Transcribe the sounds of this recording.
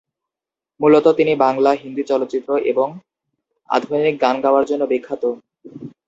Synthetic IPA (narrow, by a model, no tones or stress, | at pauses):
mulot̪ot̪inibaŋlaɦind̪ut͡ɕɔlot̪ːɕit̪ːɾoʔeboŋ | a̰d̪ʱbajnik̚ɡanɡaoaɾd͡ʑonːobekʰːat̪o